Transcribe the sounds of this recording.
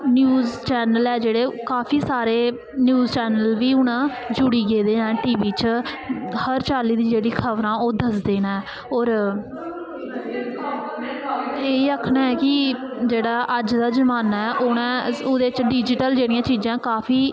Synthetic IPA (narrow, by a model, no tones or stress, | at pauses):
njuːzt͡ʃɛːnəlɛːd͡ʒeːɽeːkaːpʰiːsaːɾeː | njuːzt͡ʃɛːnəlʋiːʊnãːd͡ʒʊɽiːɡeːd̪eːnãːʈiːʋiːt͡ʃ | həɾt͡ʃaːliːd̪ĩːd͡ʒeːɽiːkʰəʋɾãːoːd̪əsd̪eːnãɛ | ɔːɾ | eːiːəkʰnaːɛːkɪ | d͡ʒeːɽaːʔəd͡ʒd̪aːd͡ʒəmaːnaːɛːʔonãːod̪eːt͡ʃɖiːd͡ʒɪʈəld͡ʒeːɽijãːt͡ʃiːd͡ʒãːkaːpʰiː